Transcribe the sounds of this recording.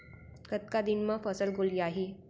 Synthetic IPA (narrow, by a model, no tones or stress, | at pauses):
kət̪kad̪inmãfəsəlɡʱoliaɦi